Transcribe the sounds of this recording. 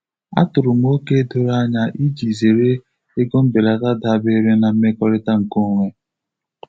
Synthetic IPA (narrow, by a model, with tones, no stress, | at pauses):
a̰˦tʊ˨ɾʊ˨m˦o˦ke˦do˨ɾa˦ɲa˦ʔi˦d͡ʒi˨ze˨ɾe˦ | e˦ɡo˦m̩˦be˨la˨ta˦da˨be˦ɾe˦na˨m̩˦me˦kɔ˦ɾɪ˦ta˦ŋ̩˨ko˦ŋʷe˦